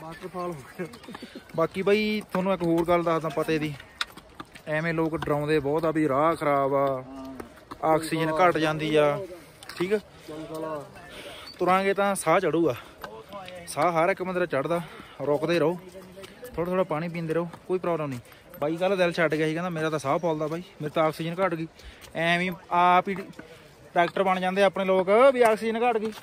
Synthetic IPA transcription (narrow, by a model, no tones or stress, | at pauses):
aːkpʰaːlɦ | baːkiːbaːiːt̪ʰoːnũːɪkɦoːɾɡəld̪aːt̪ãːpət̪eːd̪iː | ɛ̃ːmẽːloːkɖɾãːʊ̃ːd̪eːbɔːt̪aːbiːɾaːkʰəɾaːbaː | aːkʰsiːd͡ʒənkəʈd͡ʒãːnd̪iːaː | ʈʰiːkɛː | t̪ʊɾãːɡeːt̪ãːsaːt͡ʃəɽuːɡaː | saːɦəɾɪkːmənd̪əɾaːt͡ʃəɽd̪aːɾɔːkd̪eːɾəoːt̪ʰoːɽat̪ʰoːɽaːpaːɽ̃ĩːp̬ĩːnd̪eːɾəoːkoːiːpɾaːbləmnĩː | baːiːɡəlːd̪elt͡ʃʰəɖɡjaːiːkɛ̃ːnd̪aːmeːɾaːt̪ãːsaːbʰɔːld̪aːbʱaːiːmeːɾt̪ãaːksiːd͡ʒənkəʈɡiːɛ̃ːʋĩːaːpi | ʈaːkʈəɾbəɳd͡ʒãːnd̪eːpneːloːkbiːaːksiːd͡ʒənkəʈɡiː